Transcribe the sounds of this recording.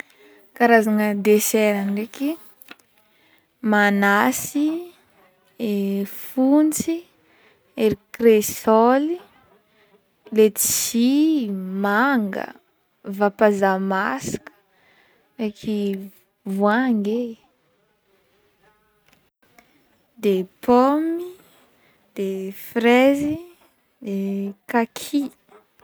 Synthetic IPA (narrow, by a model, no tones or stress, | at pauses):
kaɾazanəd̪eseɾanreki | manasi | efunt͡si | eɾikresɔli | let͡sʃsimaŋɡə̰ | vapazamasi̥kə̥ | rekʰi | vwaŋɡe | d̪epʰɔmi | d̪̥efrezi | d̪ekakʰi